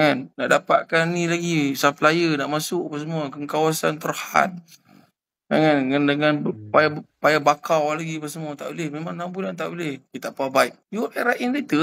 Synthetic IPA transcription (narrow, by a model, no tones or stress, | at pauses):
ŋanːaʔdapaʔ̪̚kannilaɡisaplajənaʔmasʊʔapas̬əmuakəŋkawasant̪əɾha̰t̪̚ | aŋanŋandəŋanpajapajabakawlaɡipasəmuat̪a̰ʔbolehmemaŋnambulant̪aʔbolehbit̪aʔpabaɪʔ̚iɔʔʔeɾaʔindat̪ə